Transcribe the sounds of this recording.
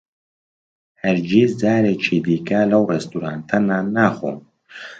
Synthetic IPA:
hɛɾd͡ʒiːzzaːɾet͡ʃʰiːd̪iːkɐlɐwrɛst̪uɾaːnt̪ʰɐnaːnːaːxo̰ːn

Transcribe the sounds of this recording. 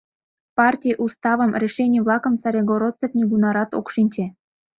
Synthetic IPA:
pɑrtʲijʔust̪ɑβəmrʲeʃenʲijβlɑkə̆msɑɾʲeɡoɾot̪t͡sefnʲiɡunɑɾɑt̪o̰kʃinʲt͡ɕe

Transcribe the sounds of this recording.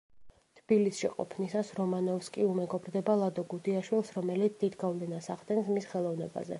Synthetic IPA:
t̪ʰb̥ilisʃiqʼɔ̰pʰnisasɾɔmanɔfskʼiumɛɡɔbɾd̪ɛbalˠad̪ɔɡud̪iaʃwilˠsɾɔmɛlit̪sʰd̪̥id̪ɡavlɛnasaχd̪ɛnsmisχɛlˠɔvnɛba̰zɛ̰

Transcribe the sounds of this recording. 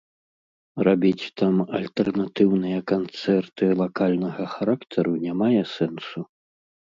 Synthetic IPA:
rabʲit͡sʲt̪amɐlʲt̪ɛrnat̪ɨwnɨjɐkant̪sɛrt̪ɨlˠakalʲnɐɣɐxaɾakt̪ʰɐɾunʲamajɛsɛnsu

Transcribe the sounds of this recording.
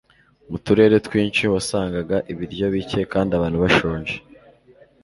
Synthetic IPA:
mutuɾe̞ːɾe̞twiːɲt͡ʃiwasaːŋɡaɡaʔiβiɾɟo̞βice̞kaːndiaβaːn̥huβaʃoːɲʒe

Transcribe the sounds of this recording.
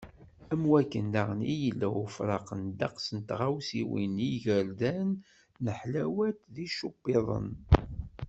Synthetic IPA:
æmwækːənːaʁnijəlːæwfɾˤɑqənd̪ɑqsənt̪ʁawsiwḭniʝəɾðænː | əħlæwæt̪ðiʃubːɪðˤə̰n

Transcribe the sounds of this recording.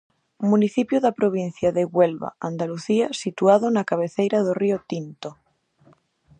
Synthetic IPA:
muniθipjoðapɾoβ̞in̟θjaðeɣwelβa̰and̪aluθiasit̪uaðonakaβ̞eθejɾað̞oriot̪int̪o

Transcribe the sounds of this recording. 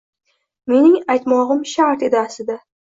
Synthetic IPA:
me̞nɪŋajt̪mɒʁɨmʃaɾt̪ed̪asɪd̪a

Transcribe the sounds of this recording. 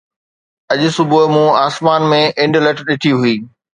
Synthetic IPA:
ɐʄʊsʊbʊmũaːsmaːnmẽʔɪ̃ɳɖlɐʈɗɪʈʰiɦuiː

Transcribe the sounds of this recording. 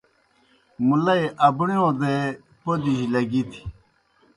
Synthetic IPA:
mulɐeʔɐbɳijõd̪e | pod̪iʑilɐɡit̪ʰi̥

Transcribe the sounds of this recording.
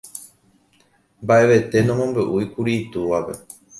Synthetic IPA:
mbaʔe̞ʋe̞t̪e̞nõmõ̞mbeʔuikuɾiːt̪uʋape̞̰

